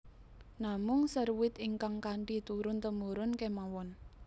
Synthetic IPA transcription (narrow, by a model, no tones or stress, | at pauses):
namʊŋsərwɪt̪iŋkaŋkaɳɖit̪uɾʊnt̪əmuɾʊnkemawɔn